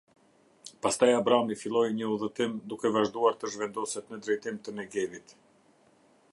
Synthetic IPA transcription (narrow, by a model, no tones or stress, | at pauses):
past̪ajabɾamifilˠɔjɲəuðət̪imd̪ukɛvaʒd̪uaɾt̪əʒvɛnd̪ɔsɛt̪nəd̪ɾɛjt̪imt̪ənɛɡɛvit̪